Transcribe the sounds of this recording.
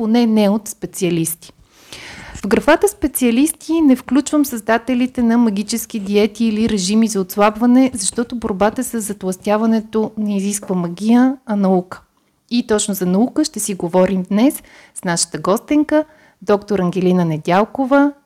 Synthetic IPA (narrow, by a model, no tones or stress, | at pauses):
ponɛnɛot̪spɛt̪siɐlist̪i̥ | vɡɾɐfat̪əspɛt̪siɐlist̪inɛfklʲut͡ʃvəmsəzd̪at̪ɛlit̪ɛnɐmɐɡ̟ʲit͡ʃɛsk̟id̪iɛt̪iːliɾɛʒimizɐot̪slˠabvɐnɛzɐʃt̪ɔt̪oboɾbat̪əsəzːɐt̪lˠɐst̪ʲjavɐnɛt̪onɐiziskvəmɐɡʲijəɐnɐukə̥ | it̪ɔt͡ʃnʊzɐnɐukəʃt̪ɛsiɡovɔɾimd̪nɛs | snaʃə̥t̪əɡɔst̪iŋkə | d̪ɔkt̪oɾɐŋɡʲɛlinənɛd̪ʲalˠkovə